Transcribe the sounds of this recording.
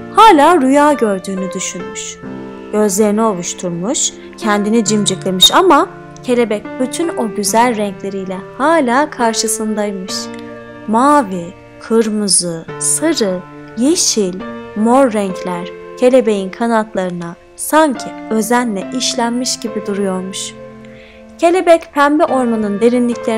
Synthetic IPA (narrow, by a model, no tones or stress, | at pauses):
haːlʲaːɾujaːɟø̞ɾd̪yːnyd̪yʃynmyʃ | ɟ̥ø̞zlʲe̞ɾinio̞lˠuʃt̪ʰuɾmuʃ | cʰɛnd̪inid͡ʒimd͡ʒɯklˠemɯʃama | cʰe̞lʲe̞bɛc̚byt̪ʰyno̞ɟyzælʲɾɛɲclʲe̞ɾijlʲɛhaːlʲaːkʰaɾʃɯsɯnd̪ajmɯʃ | maːvi | kʰɯɾmɯzɯsɯɾɯ | jeʃilʲmo̞ɾːɛɲcʰlʲæɾ̥cʰe̞lʲe̞be̞jinkʰanat̪lˠaɾɯna | saɲcʰiø̞zænlʲɛʔiʃlʲænmiʃɟibid̪uɾujo̞ɾmuʃ | cʰe̞lʲe̞bɛcpʰæmbɛʔo̞ɾmanɯnd̪e̞ɾinlʲiclʲe̞